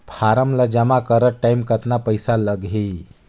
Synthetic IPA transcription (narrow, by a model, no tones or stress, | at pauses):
pʰaɾəmləd͡ʒəmakəɾəʈaimkət̪napəjsaləɡʱɦi